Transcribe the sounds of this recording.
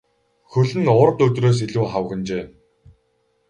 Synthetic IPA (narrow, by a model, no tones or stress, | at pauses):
xɵɮɘ̆nʊɾ̆t̪ɵt̪roːs̬iɮuːχaw̆ɣɘ̆nt͡ɕeː